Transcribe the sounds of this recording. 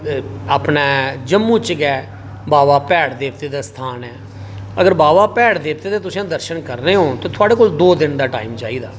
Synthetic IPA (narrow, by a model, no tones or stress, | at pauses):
aːpnɛːd͡ʒəmːũːt͡ʃɡɛː | baːʋaːpɛːɽd̪eːʋt̪eːd̪aːst̪ʰaːnɛː | əɡəɾbaːʋaːpɛːɽd̪eːʋt̪eːd̪eːt̪ʊsĩãːd̪əɾʃənkəɾneːɦõːt̪õːt̪ʰʊaːɽeːkoːld̪oːd̪ɪnd̪aːʈa̰ːimt͡ʃa̰ːiːd̪aː